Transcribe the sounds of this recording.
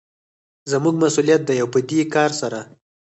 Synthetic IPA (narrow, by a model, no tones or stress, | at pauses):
zəmuɡ̚masulijat̪̚d̪ajawpəd̪ekɑɾsaɾa